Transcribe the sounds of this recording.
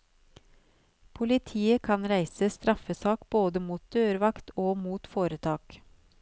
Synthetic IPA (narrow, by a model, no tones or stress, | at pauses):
pʰʊlɪt̪ʰiːəkʰɑnɾæɪsəst̪ɾɑfəsɑːkboːd̪əmuːt̪̚d̪̥øːɾʋɑkt̪oːmuːt̪foːɾət̪ʰɑːk